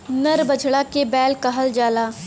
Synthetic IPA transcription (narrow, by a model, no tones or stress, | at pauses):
nɐɾbɐd͡ʒʱɽakebɛːlkɐɦəld͡ʒaːlaː